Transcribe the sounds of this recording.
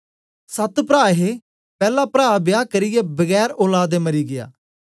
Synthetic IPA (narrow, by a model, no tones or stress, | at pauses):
sət̪pɾaːɦe | pɛːlapɾaːbɪjaːkəɾɪjɛbɐɡɛːɾoːlaːd̪emɐɾiːɡɪja̰ː